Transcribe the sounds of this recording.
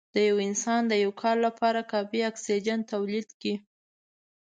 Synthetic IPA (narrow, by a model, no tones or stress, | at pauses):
d̪̥əjawɪnsɑnd̪əjawkʰɑɾlapʰɑɾakɑfiaksid͡ʒant̪awlid̪ki